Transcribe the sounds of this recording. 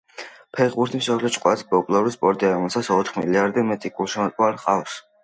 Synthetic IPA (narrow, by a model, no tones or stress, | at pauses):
pʰɛχbuɾt̪ʰimsɔpʰlɛt͡ʃʼqʼwasbɔpʼlˠɔɾispʼɔɾd̪ʼiaɾɔmɛlˠsat̪sɔt̪ʰχmḭliaɾd̪ɛmɛt̪ʼikʼulˠʃimɔt̪ʼlaɾqʼaws